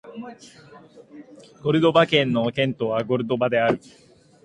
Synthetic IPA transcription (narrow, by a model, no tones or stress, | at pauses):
ɡ̥o̞ɾɯ̟d̪o̞bakẽ̞nːo̞kẽ̞nt̪o̞βaɡo̞ɾɯ̟d̪o̞bad̪e̞aɾɯ̟